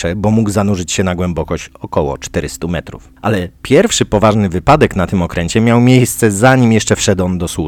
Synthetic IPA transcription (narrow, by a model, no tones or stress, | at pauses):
ɛbɔmuɡzanuʐɘt͡ɕɕɛnaɡwɛmbɔkɔɕt͡ɕɔkɔwɔ̰t͡ʂt̪ɛɾɘst̪umɛt̪ɾṵfʔalɛpʲjɛɾfʂɘpɔvaʐnɘvɘpad̪ɛknat̪ɘmɔkɾɛɲt͡ɕɛmʲjawmʲjejst̪sɛzaɲimʲjɛʂt͡ʂɛfʂɛd̪ɔnd̪ɔswu